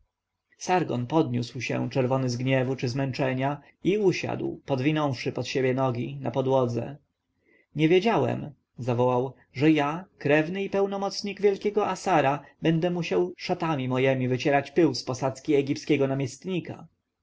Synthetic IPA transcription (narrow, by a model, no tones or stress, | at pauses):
saɾɡɔ̰npɔd̪ɲuswɕɛ̰t͡ʂɛɾvɔnɘzɡɲɛvut͡ʂɘzmɛnt͡ʂɛɲa | iuɕa̰d̪wpɔd̪vʲinɔ̃w̃fʂɘpɔt̪ɕebʲjɛnɔɡʲina̰pɔd̪wɔd̪zɛ̰ | ɲɛvʲjed͡ʑawɛ̰m | zavɔwaw | ʐɛjakɾɛvnɘipɛwnɔmɔt̪sɲiɡvʲjɛlkʲɛɡɔasaɾabɛnd̪ɛmuɕawʂat̪amʲimɔjɛmʲivɘt͡ɕɛɾat͡ɕpɘwspɔsat̪skʲiɛɡʲiptskʲɛɡɔnamʲjɛst̪ɲika̰